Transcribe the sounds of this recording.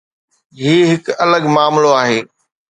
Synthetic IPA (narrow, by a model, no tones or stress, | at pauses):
ɦiːɦɪkɐləɡmaːmloaːɦeː